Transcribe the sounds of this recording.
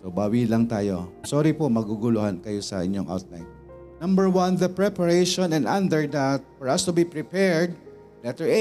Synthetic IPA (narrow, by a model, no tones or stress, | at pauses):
sobaːwilɐŋt̪aːjo̞̰soːɾipomɐɡuɡʊlʊhankɐjosɐ̰ʔɪ̰ɲjoŋʔa̰wt̪̚la̰jn | nɐ̃mbəɹwɐ̃nðɐpɹɛpɐɹejʃõnɛ̃nãnd̪ɛɹd̪at̪̚fɔɹɐst̪ʊbipɹɪpɛɹd̪̚ | lɛt̪ɛɹe